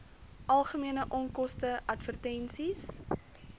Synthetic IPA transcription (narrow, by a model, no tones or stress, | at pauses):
ʔɐlˠχəmiənəʔɔŋkɔstəʔɐtvərtɛnsis